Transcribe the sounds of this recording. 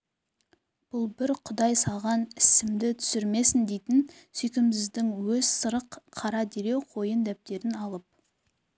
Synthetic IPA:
b̥ʊlˠbɪɾqʰʊd̪ɑjsɑlˠʁɑnɪsɪmd̪ɪt̪ʰʏ̥sɪɾme̞sɪnd̪e̞jt̪ɪnsʏjkʲɪmsɪzd̪ɪŋwɵzsəɾəqʰːɑɾɑd̪eɾe̞wqʰo̞jənd̪æp̚t̪e̞ɾɪnɑlˠəp̚

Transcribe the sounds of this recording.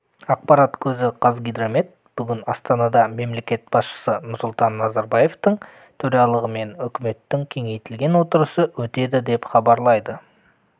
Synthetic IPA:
ɑq̚pɑɾɑt̪kʲʰɵzɪqʰɑzɡʲijd̪ɾome̞t̪̚b̥ʏɡʲɪnɑst̪ɑnɑd̪ɑme̞mle̞kʲe̞t̪̚b̥ɑsʃə̥sənʊɾsʊlˠt̪ɑnːɑzɑɾbɑje̞ft̪əɴ | t̪ʰɵɾɑlˠəʁəme̞nʏkʲɪme̞t̪ːɪŋkʲʰe̞ŋe̞jt̪ɪlɡʲe̞nwo̞t̪əɾəsəwɵt̪e̞d̪ɪd̪e̞pχɑbɑɾlˠɑjd̪ə

